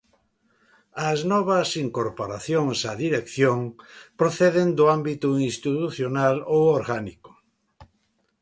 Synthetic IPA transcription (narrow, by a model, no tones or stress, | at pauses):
ɐznɔβɐsiŋkoɾpoɾaθjoŋsɐðiɾekθjoŋpɾoθeðend̪ʊambit̪uinst̪it̪uθjonalowoɾɣanikʊ̥